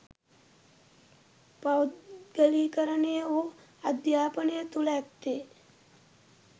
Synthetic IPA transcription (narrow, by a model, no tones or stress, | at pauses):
pawɡəliːkəɾənejəo | ad̪jaːpənejət̪ulɛkt̪e